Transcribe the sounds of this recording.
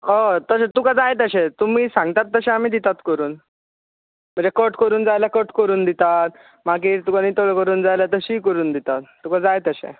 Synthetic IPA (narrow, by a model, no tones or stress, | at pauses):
ɦot̪əɕẽt̪ukad͡zajet̪əɕet̪umiːsãŋɡ̚t̪at̪ːəɕeam̤iːd̪it̪at̪kəɾuːn | m̤əɳd͡zekəʈkəɾuːnd͡zajlakəʈkəɾuːnd̪it̪at̪̚ | mak̬iːt̪ukaniːt̪oɭəkəɾuːnd͡zajlat̪əɕiːkəɾuːnd̪it̪at̪ːukad͡zajet̪əɕḛ